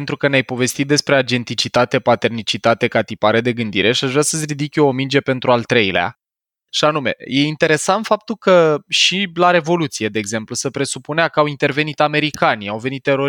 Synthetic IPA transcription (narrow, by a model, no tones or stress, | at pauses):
ent̪ɾukəneajpo̞ve̞st̪it̪̚d̪e̞spɾe̞ad͡ʒe̞nt̪it͡ʃit̪at̪e̞pat̪e̞rnit͡ʃit̪at̪e̞kat̪ipaɾed̪e̞ɡɨnd̪ḭɾe̞ʃiaʒvɾasəsʲrid̪ikʲoːmind͡ʒe̞pe̞nt̪ɾualt̪ɾe̞jilea̰ | ʃianume̞̰je̞int̪e̞ɾe̞sant̪fap̚t̪ulkəʃilaɾe̞vo̞lut̪sije̞d̪e̞ːɡze̞mplusəpɾe̞supuneakəawint̪e̞rve̞nit̪ame̞ɾikaniawve̞nit̪ːe̞ɾo̞